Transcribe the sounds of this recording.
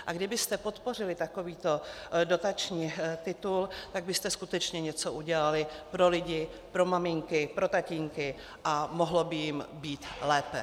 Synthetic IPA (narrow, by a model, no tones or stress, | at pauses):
ʔaɡdɪbɪst̪ɛpo̞t̪po̞r̝ɪlɪt̪ako̞viːt̪o̞do̞t̪at͡ʃɲiːt̪ɪt̪ult̪aɡ̚bɪst̪ɛskut̪ɛt͡ʃɲɛɲɛt͡so̞ʔuɟɛlalɪpɾo̞lɪɟɪpɾo̞mamɪŋkɪpɾo̞t̪aciŋkɪ | ʔamo̞ɦlobɪjɪmbiːt̪lɛːpɛ